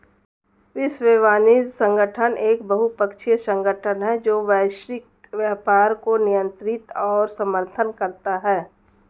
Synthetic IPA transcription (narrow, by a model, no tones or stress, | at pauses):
ɪsʋeːʋaːnisə̃ŋɡəʈʰənʔeːkbəɦupəkʃʰisə̃ŋɡəʈʰənɦɛd͡ʒoːʋɛːʃɾɪk̚ | ʋjaːpaːɾkonɪjə̃nt̪ɾɪt̪ɔːɾsɐməɾt̪ʰənkɐɾt̪aɦɛː